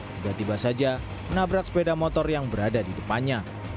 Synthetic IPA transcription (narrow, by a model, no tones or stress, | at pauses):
t̪ibat̪ibasad͡ʒa | mənabɾak̚sə̥pedamɔt̪ɔrjaŋbəɾadadidəpanɲa